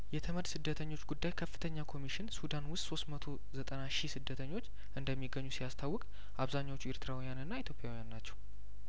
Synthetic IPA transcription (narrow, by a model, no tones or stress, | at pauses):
jɛt̪ʰəməd̪sɨd̪ːət̪ʰəɲːo̞t͡ʃːɡud̪ːajkʰəfːɨ̥t̪ʰəɲːakʰo̞miʃɪnsud̪anwʊst̪so̞st̪mət̪ʰo̞ | zət̪ʼənaʃisɨd̪ːət̪ʰəɲːo̞t͡ʃː | ɨnd̪əmːiɡːəɲːusijast̪ʰawːɔkʼ | ʔaβzaɲːawot͡ʃːueɾt̪ʰɨɾawijanɨnːait̪ʰjopʼjawijanːat͡ʃːɛ̥w